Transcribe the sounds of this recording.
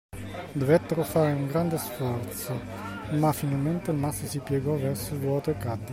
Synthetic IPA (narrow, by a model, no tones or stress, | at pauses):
d̪ovɛt̪ːeɾofaɾeuŋɡɾand̪esfɔɾt̪so | mafinalmɛnt̪elmasːəsipjɛɡɔvɛɾsʊvwɔt̪ekad̪ːi